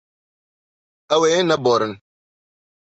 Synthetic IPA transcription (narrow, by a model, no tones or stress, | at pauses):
awenɐbɔːɾɪn